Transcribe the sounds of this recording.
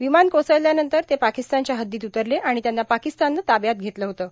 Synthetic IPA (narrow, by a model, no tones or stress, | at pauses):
ʋimankosəjljanənt̪əɾt̪epakist̪ant͡ɕjaɦəd̪ːiːt̪ut̪əɾleʔaɽ̃it̪janːapakist̪anːət̪abjat̪̚ɡʱet̪ləɦot̪əː